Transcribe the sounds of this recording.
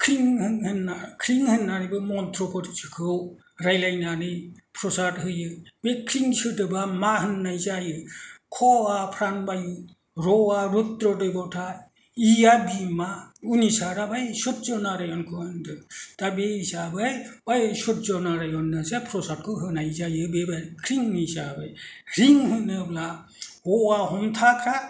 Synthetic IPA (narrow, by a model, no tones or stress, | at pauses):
kʰɾiŋɯŋhɯnːakʰɾiŋhɯnːanibɯmɔntʰɾɔpʰɔtisɯkʰɯw | ɾajlajnanɯjpʰɾɔsatɦɯjɯbekʰɾiŋsɯtɯbamaɦɯnːajzajɯkʰɔapʰɾanbaju | ɾɔaɾut̚ɾɔdɔjbawtʰa | ijabimaunisaɾabajsut̚zɔnaɾajɔnkʰɯɯndɯtabeisabɯjb̥ajsut̚zɔnaɾajɔnːɯsepʰɾɔsat̚kʰɯɦɯnajzajɯbebakʰɾiŋnisabɯjɾiŋɦɯnɯbla | ɔwaɦɔmt̪ʰakʰɾa